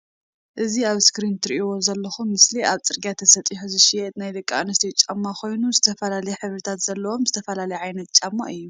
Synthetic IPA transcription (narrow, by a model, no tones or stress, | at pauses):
ʔɨziaβskɾint̪ɾḭʔwozɐlːɐxumːɨsliʔaβt͡sʼɨɾɡijat̪ʰɐsɐt̪ʼiħuzɨʃiɛt̪najd̪ɨkʼːanɐst̪ʰit͡ʃʼamːakʰo̞jnuzɨt̪ʰɐfɐlalɐjɛħɨβɾɨt̪ʰat̪z̥ɐlːɐwo̞mzɨt̪ʰɐfɐlalɐjʕajnɐt̪̚t͡ʃʼamːa̰ʔɨjːu